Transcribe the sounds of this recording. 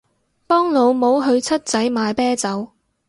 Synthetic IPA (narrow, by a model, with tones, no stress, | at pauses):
pɔː˥ŋlo˨˧wmo˨˧wɦɵ˧ɥt͡sʰɐ˥t̚t͡sɐ˨˥jmaː˨˧jpɛː˥t͡sɐ˨˥w